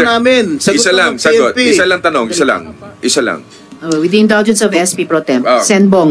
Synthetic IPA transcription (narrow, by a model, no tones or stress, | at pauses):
naːmɪnsɐɪsalɐŋsɐod̪ɪsɐlɐŋt̪ɐnoŋɪsalɐ̰ŋʔɪsɐlɐ̰ŋ | ʔowɪd̪iɪ̃nd̪ald͡ʒɛnsɐvɛspipɾot̪ɛmosɛnboŋ